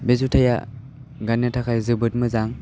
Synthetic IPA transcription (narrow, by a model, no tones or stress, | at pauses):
bezutʰaja̰ | ɡanatʰakʰajzɯbɯt̚mɯzaŋ